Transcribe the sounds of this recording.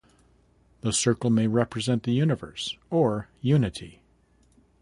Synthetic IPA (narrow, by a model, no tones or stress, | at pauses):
ðəsɜ˞kl̩ˠmeɪɹɛpʰɹɨzɛ̃nðɨjʉnɨvə̰˞sə˞jʉnɨɾi